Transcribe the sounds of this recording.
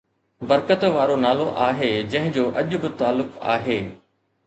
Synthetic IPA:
bɐɾkət̪ʋaːɾonaːloʔaːɦed͡ʑɐ̃ɦɪ̃d͡ʑoːʔɐʄʊ̆bɪt̪aːlːʊka̰ːɦeː

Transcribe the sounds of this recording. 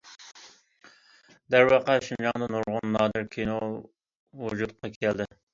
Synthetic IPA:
d̪æɾwɑqɑʃund͡ʒɑŋd̪ɑnuɾʁʊnːɑːd̪ɨɾkʲʰino | wud͡ʒut̪qʰɑkʲʰɛld̪ɪ

